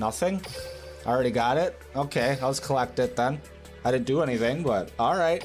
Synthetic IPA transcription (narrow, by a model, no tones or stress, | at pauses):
nʌθɪ̃ŋ | aɪl̩ˠɹɛɾiɡɑɾɪt̚ | oʊkʰeɪaɪwʌz̥kʰəlɛk̚tɨd̪̚ðə̃n | aɪɾɪdⁿn̩dɨɛñiθɪ̃ŋbʌt̚ɔl̩ˠɹaɪt̚